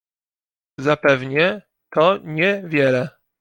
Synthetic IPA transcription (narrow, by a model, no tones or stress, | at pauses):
zapɛvɲɛ | t̪ɔɲɛvʲjɛlɛ